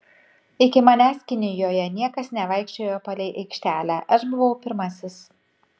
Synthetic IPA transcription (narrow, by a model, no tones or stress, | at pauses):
ɪkʲɪmɐnʲæːsʲkʲɪnʲɪjoːjɛnʲiɛkɐsnʲɛʋɐɪkʃʲt͡ʃʲoːjoːpɐlʲɛɪʔɐɪkʃʲt̪ʲæːlʲæːʔɐʃbʊʋɒʊpʲɪɾmɐsʲɪs